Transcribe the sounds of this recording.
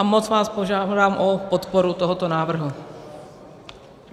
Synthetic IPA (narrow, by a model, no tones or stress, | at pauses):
mot͡svaːspoʒadaːmʔopot̪poɾut̪oɦot̪onaːvr̩ɦu